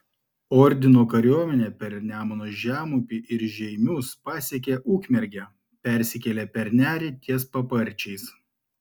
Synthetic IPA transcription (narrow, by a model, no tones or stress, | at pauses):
ɔɾʲd̪ʲɪnoːkɐɾʲoɔmʲɛnʲeːpʲɛɾnʲæːmoːnoːʒʲæːmʊpʲiʔɪɾʒʲɛɪmʲuspɑːsʲɛk̬ʲeʔuːkʲmʲɛɾʲɡʲɛ | pʲɛɾʲsʲɪkʲɛlʲɛpʲɛɾʲnʲæːɾʲɛt̪ʲiɛspɐpɐɾʲt͡ʃʲɛɪs